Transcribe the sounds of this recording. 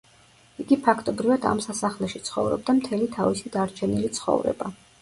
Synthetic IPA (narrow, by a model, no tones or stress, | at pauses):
iɡipʰakʰt̪ʼɔbɾivad̪a̰msasaχlɛʃit̪sʰχɔ̰vɾɔ̰b̚d̪amt̪ʰɛlit̪ʰavisid̪aɾt͡ʃʰɛnilit̪sʰχɔ̰vɾɛ̰ba